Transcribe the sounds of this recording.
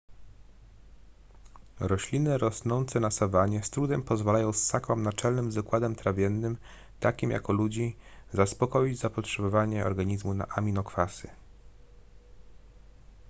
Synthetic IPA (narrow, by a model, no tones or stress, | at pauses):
ɾɔɕlʲinɘɾɔsnɔnt̪sɛnasavaɲɛst̪ɾud̪ɛmpɔzvalajɔ̃w̃sːakɔmnat͡ʂɛlnɘmzd̪ɔkwad̪ɛmt̪ɾavʲjɛnːɘm | t̪akʲimja̰kɔlud͡ʑizaspɔkɔjid͡ʑzapɔtʂɛbɔvaɲɛɔ̰ɾɡaɲizmuna̰ʔamʲinɔkfasɘ